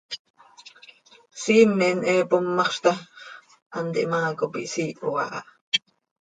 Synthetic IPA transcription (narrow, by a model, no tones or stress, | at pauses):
siːnːɛʔnʔɛːpomːɑχʃt̪ɑ | ʔɑnt̪iʔmɑːkopḭʔsiːʔoɑ̰ʔɑ̰ʔ